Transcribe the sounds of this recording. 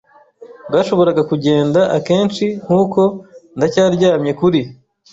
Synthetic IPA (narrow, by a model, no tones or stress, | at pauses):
bɡaːʃo̞βo̞ɾaɡakuɟe̞ːndaʔake̞ːnt͡ʃiŋ̥huːko̞ndacaːɾɟaːmɲe̞kuɾi